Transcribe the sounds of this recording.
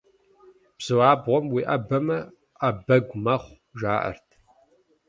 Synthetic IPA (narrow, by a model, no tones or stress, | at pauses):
b̥z̥ɨwaːbʁʷɔmwiːʔɐbɐmɐ | ʔɐbɐɡʷmɐχʷ | ʒaːʔɐ̰rtʰ